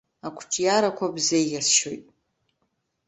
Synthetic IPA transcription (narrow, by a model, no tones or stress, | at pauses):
akʷʰt͡ʃʼjaɾakʷʰabzejjasʃojtʼ